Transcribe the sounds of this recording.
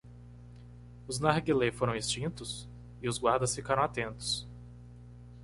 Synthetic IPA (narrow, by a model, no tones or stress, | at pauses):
ʊznaɾɡelefoɾɐ̃w̃est͡ʃĩnt̪ʊs | ɪʊzɡwaɾd̪ɐsfikaɾɐ̃w̃at̪ẽnt̪ʊ̥s